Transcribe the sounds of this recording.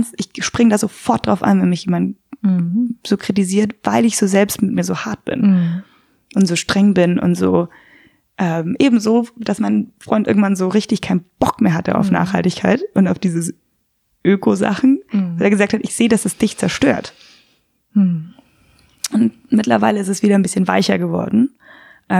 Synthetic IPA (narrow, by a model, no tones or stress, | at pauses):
nsʔɪçʃpʁ̥ɪŋədaːzofɔɐt̚d̥ʁaʊfʔa̰nvɛnmɪçjeːmand | z̥oːkʁ̥it̬iziːɐtv̥aɪlɪçz̥oːzɛlpstmɪt̚miːɐzoːhaɐt̚b̥ɪ̰n | ʔʊntz̥oːʃtʁ̥ɛŋbɪnʔʊ̰ntz̥o̰ː | ʔɛːmʔeːbm̩zoːd̥asmaɪnfʁ̥ɔʏntʔɪɐɡŋ̩tv̥anzoːʁɪçtɪçkʰaɪnəb̥ɔkmeːɐɦatəa̰ʊfna̰ːχha̰ltɪçkʰa̰ɪtʔʊntaʊfd̥iːzəs | ʔøːkʰoza̰χn̩valʔeːɐɡəzaːk̚thatɪçz̥eːədasɛsd̥ɪçt͡sɛɐʃtøːɐt | ʔʊnt | mɪtlɐ̰vaɪləɪstɛsv̥iːɾɐnbɪsçənva̰ɪçɐɡəvɔ̰ɐdn̩ | ʔɛ